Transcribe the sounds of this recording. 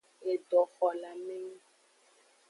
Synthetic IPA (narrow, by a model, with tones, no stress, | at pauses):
e˨ɖɔ˨xɔ˨la˨me˦ŋ˦